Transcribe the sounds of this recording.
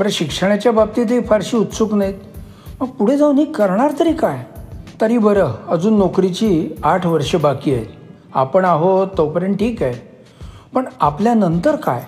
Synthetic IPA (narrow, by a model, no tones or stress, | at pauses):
bəɾɕikʂəɳ̃jat͡ɕjabab̚t̪it̪̬ifaɾɕiːut̪suknait̪ | məɡ̚puɽ̤ed͡zaunɦiːkəɾɳaɾt̪əɾiːkajt̪əɾiːbəɾəəd͡zuːnːokɾit͡ɕiːaʈʰʋəɾʂəbakiːaj̪ | a̰pəɳaɦot̪ːəwpɾeɳʈʰiːkaj | pəɳapljanənt̪əɾka̰j